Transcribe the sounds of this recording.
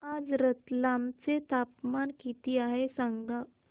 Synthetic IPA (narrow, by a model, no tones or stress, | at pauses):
ad͡zɾət̪lamt͡set̪apmankit̪iaɦesãŋɡd̪a